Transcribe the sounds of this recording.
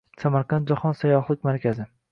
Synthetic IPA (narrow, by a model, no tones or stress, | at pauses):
samaɾqʰɑnt̪̚d͡ʒahɒnsajɒχlˠɪk̚ʲmaɾkʲʰazɪ